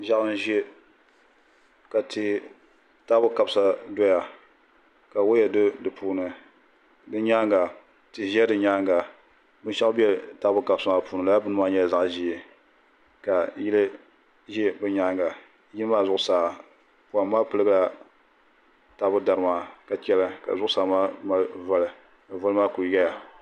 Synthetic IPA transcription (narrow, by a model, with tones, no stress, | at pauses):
ʒa˦ʔɨ˦n˦ʒe˦ | ka˨tɨ˨ | taː˦bʊ˦ka˦bsa˦do˦ja˨ | ka˨wo˦jɛ˨do˦dɨ˨pʰuː˦nɨ˨ | dɨ˦ɲaː˦ŋɡa˨ | tɨ˨ʒɛ˦dɨ˨ɲaː˦ŋɡa˨ | bɨ˦n˦ʃɛ˦kbi˦ɛ˦taː˦bʊ˦ka˦bsa˦ma˨puː˦nɨ˨la˨˦a˦bɨ˦nɨ˦ma˦ɲɛ˦˨za˦ʔʒi˦ɛ˨ | ka˨ji˦lɨ˦ | ʒi˦bɨ˦ɲaː˦ŋɡa˨ | ji˦lɨ˦maː˦zʊ˦ʔʊ˦˨saː˨ | pu˨a˨mmaː˦pɨ˦lɨ˦ɡɨ˦la˨ | ta˦bʊ˦da˨ɾɨ˦maː˨ka˨t͡ʃɛ˦la˦ka̰˨zʊ˦ʔʊ˦saː˨˦maː˦ma˦va˦lɨ˨ | ɨ˨vʊ˦lɨ˦maː˦ku˨ɡa˦ja˨